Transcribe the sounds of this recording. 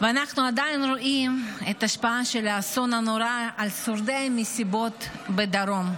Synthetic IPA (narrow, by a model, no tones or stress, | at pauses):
veanaχnuad̪ajinɾoʔimet̪aʃpaaʃelaso̞nanoɾaalsoɾd̪ejamːisibo̞t̪bed̪aɾo̞m